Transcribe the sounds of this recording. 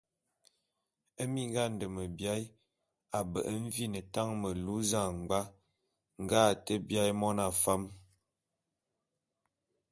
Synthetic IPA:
ə˦mi˦ŋ˦ɡa˦n˨də˨mə˨bja˦j | a˨bə̰˨ʔə˦ɱ̩˦vi˦nə˨ta˦ŋmə˨lu˦za˦˨ŋ˨ɡ͡ba˦ | ŋ˨ɡa˦˨tə˦bja˦jmɔ˦na˨fa˦m

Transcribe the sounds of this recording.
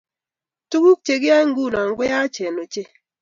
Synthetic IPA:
tu˦ku˦k̚t͡ʃe˨ɡɪ˦a˦ŋ˦ɡu˦˨la˨ŋ˦ɡwɪ˦ja˦t͡ʃe˨no˨t͡ʃe˦

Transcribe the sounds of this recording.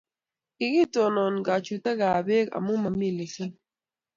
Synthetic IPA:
i˨ɡi˦to˨nɔ˨n˨ɡa˨t͡ʃu˨ta˦ɡa˨be˦ka̰˨mu˦ma˨mi˦˨li˨ke˦

